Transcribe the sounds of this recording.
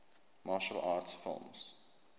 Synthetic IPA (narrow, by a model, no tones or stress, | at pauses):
mɑːʃəlʔɑːtsfɪ̰lˠms